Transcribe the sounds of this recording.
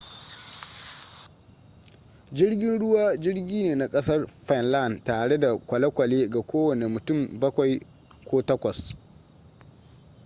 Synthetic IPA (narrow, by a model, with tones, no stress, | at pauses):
d͡ʒɪ˦rɡʲɪ˦nɽʊ˦waː˦d͡ʒɪ˦ɽɡʲiː˦neː˨na˨kʼɐ˦sɐ˦rɸɛ˨nla˦˨ntaː˨ɽe˦da˨kʷɐ˨lɐ˦kʷɐ˨leː˦ɡa˨kʷoː˦wɐ˨ne˨mʊ˨tʊ˦˨mbɐ˦kʷa˨j | kʷoː˦tɐ˦kʷɐ˨s